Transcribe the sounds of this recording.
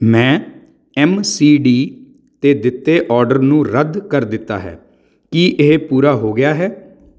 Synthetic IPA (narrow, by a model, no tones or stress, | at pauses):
mɛ̃ː | ɛːmsiːɖiː | t̪eːd̪ɪt̪ːeːʔɔːɾɖəɾnũːɾəd̪kəɾd̪ɪt̪ːa̰ːɦɛ̰ː | kiːʔepuːɾaːɦoːɡɪjaːɦɛː